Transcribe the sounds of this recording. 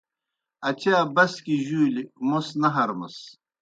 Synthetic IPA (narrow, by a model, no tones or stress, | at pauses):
ɐt͡ɕaːbɐskiʑuːlimosnɐɦɐɾmɐ̰s